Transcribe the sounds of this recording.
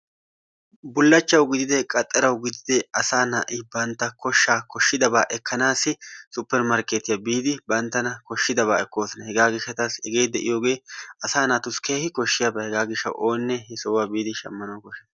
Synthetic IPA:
bʊlːɐt͡ʃːɐwɡɪd̪ɪd̪ɛkʼɐt̪ʼːɐɾɐwɡɪd̪ɪd̪ɛɐsaːnaːʔɪbɐnt̪ːɐkɔʃːaːkɔʃːɪd̪ɐbaːʔɛkʰːɐnaːsɪsʊpːɛɾmɐɾkeːt̪ɪjabiːd̪ɪbɐnt̪ːɐnɐkɔʃːɪd̪ɐβaːɛkːo̞ːsɐnɐhɛɡaːɡɪʃːɐt̪asɛɡe̞ːd̪ɛʔɪ̰joːɡe̞ːɐsaːnat̪ʊskeːhɪkɔʃːɪjabɐhɛɡaːɡɪʃːɐ̰wʔo̞ːnːɛhɛsɔwaːbiːd̪ɪʃɐ̰mːɐnɐwkɔʃːɐn

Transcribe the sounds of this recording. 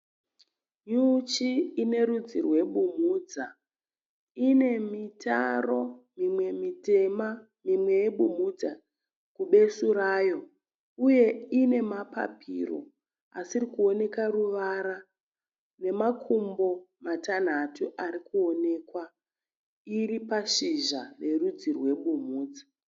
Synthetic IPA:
ɲut͡ʃiːne̞ɾud͡zirwe̞ɓum̤uːd͡za | ine̞mitʰa̰ro̞mimwe̞mitema | mimwe̞jeɓum̤ud͡za | kuɓe̞suɾaːjo̞ | uje̞ine̞mapa̰pʰḭro̞̰ | asirikuo̞ne̞karuʋaɾa | ne̞makʰumbo̞matan̤atʰuʔaɾikuo̞ne̞ːkwa | iɾipaʃiʒare̞rud͡zirwe̞ɓumuːd͡za

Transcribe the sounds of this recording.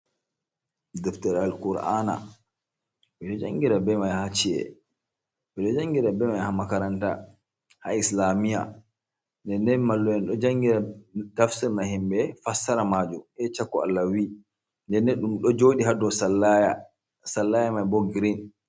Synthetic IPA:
dɛftɛɾalkuɾa̰na̰ | bɛɗɔd͡ʒaŋɡiɾabɛmajhat͡ʃiɛ̰ | bɛɗɔd͡ʒaŋɡiɾabɛmajhamakaɾanta̰ | ha̰islamija̰ | ndɛnːɛnmalːɔjɛnɗɔd͡ʒaŋɡiɾadafsɛmahimbɛfasːaɾamad͡ʒumʔɛt͡ʃakːɔa̰lːawi | ndɛnːɛɗumɗɔd͡ʒoɗiɦadɔsalːaja | salːajamajboɡiɾin

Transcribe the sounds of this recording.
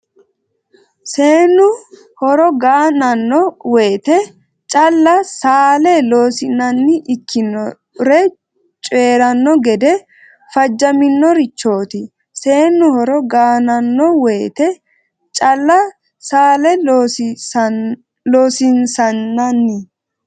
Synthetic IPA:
seːnːʊ | hɔɾɔɡaːnɐnːɔweːt̪ɛ | t͡ʃʼɐlːɐsaːlɛloːsɪnɐnːɪʔɪkʰːɪnɔ | ɾɛ | t͡ʃʼe̞ːɾɐnːɔɡɛd̪ɛ | fɐd͡ʒːɐmɪnːɔɾɪt͡ʃːo̞ːt̪ɪ | se̞ːnːʊhɔɾɔɡaːnɐnːɔweːt̪ɛ | t͡ʃʼɐlːɐ | saːlɛ | loːsɪnsɐnːɐnːɪ

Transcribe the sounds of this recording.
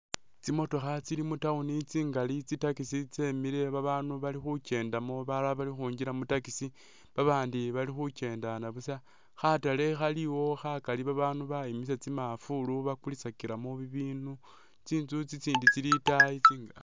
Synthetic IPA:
t͡simo̞to̞xat͡silimutaunit͡siːŋɡalit͡sitakisit͡semiɾe̞βaβaːnuβalixut͡ʃe̞ːndamo̞βalaβalixuːɲɟiɾamutakisi | βaβaːndiβalixut͡ʃe̞ːndanaβusa | xatale̞xaliwo̞xakaliβaβaːnuβaimis̬et͡simafuluβakulisakiɾamo̞βiβiːnu | t͡siːnt͡sut͡sit͡siːndit͡silitait͡siːŋɡa

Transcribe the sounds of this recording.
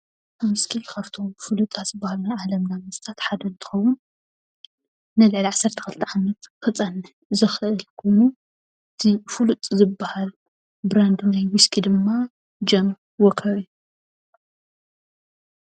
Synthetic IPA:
mɨskʰilkʰaft̪ʰo̞fulut̪ʼat̪z̥ɨbːahalnajʕalɐmnamɨst̪ʰat̪ħad̪ɐnt̪ʰɨ̥xɐwːʊn | ɨlɨʕliʕasːɐɾt̪ʰɐ̥kɨlt̪ʰiʕamɐt̪xɨt͡sʼɐn | zɨxɨʔɨlkʰo̞jnu | ɨt̪ʰifulut̪ʼzɨbːahal | bɾand̪najwiskʰid̪ɨmːa | d͡ʒɐm | wɔkʰɐβi

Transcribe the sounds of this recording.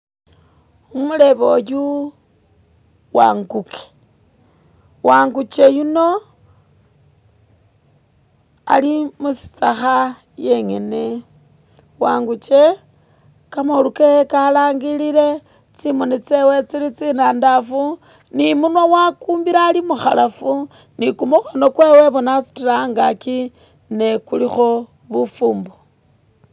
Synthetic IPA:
umule̞βo̞ju | wa̰ŋɡuke̥ | waːŋɡut͡ʃe̞juno̞ | a̰limusi̥t͡saxa | je̞ŋene | waːŋɡut͡ʃe | kamoluke̞kalaːŋɡilile̞ | t͡simonit͡se̞wet͡silit͡sinaːndafu | nimunowakuːmbiɾaːlimuxa̰lafu | nikumuxono̞kwe̞ːwe̞βonasu̥tiɾaŋɡaki | nekulixo̞ | βufuːmbo

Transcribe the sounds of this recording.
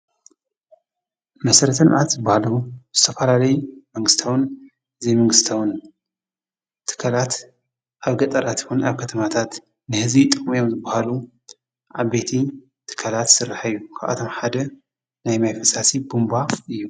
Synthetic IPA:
mɐsɐɾɐt̪ʰɐlʔat̪zɨbahaluz̥ɨt̪ʰɐfɐlalɐjumɐŋɡɨst̪ʰawɨn | ɨzijmɐŋɡɨst̪ʰawun | t̪ʰɨ̥kʰalat̪ | ʔaβɡɐt̪ʼɐɾat̪wunaβkʰɐt̪ʰɐmat̪ʰat̪ | nɨhɨzbit̪ʼɨkʼmijo̞mzɨbːahalu | ʕaβbet̪ʰi | t̪ʰɨ̥kʰːalat̪sɨɾːaħajːukʰaʔa̰t̪ʰo̞mħad̪ɐ | najmajfɐsasibumbafɨjːu

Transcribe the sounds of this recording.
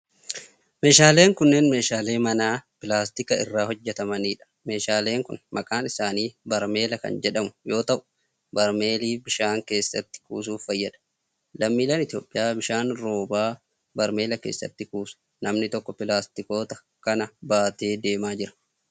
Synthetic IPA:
me̞ːʃaːle̞ːŋkʊnːe̞ːnme̞ːʃaːle̞ːmɐnaːpɪlaːst̪ɪkɐɪ̰rːaːhɔd͡ʒːɛt̪ɐmɐniːᶑɐ̥ | me̞ːʃaːle̞ːŋkʊ̰nmɐkʼaːnɪsaːniːbɐɾme̞ːlɐkɐ̰nd͡ʒɛᶑɐmʊjo̞ːt̪ɐʔʊ̥ | bɐɾme̞ːliːbɪʃaːŋke̞ːsːɐ̰t̪ːɪ̥kṵːsuːfːɐjːɐᶑɐ̥ | lɐmːiːlɐnɪt̪jo̞ːpʼːɪjaːbɪʃaːnɾo̞ːbaː | bɐɾme̞ːlɐkḛːsːɐ̰t̪ːɪkuːsʊ̥ | nɐmnɪt̪ɔkːɔpɪlaːst̪ɪko̞ːt̪ɐ̥ | kɐnɐbaːt̪eːd̪e̞ːmaːd͡ʒɪɾɐ̥

